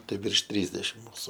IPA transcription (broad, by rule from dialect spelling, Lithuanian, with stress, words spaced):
ˈtɐɪ ʋʲɪrʃ ˈtʲrʲiːzʲdʲɛʃʲɪm ˈmʊsʊ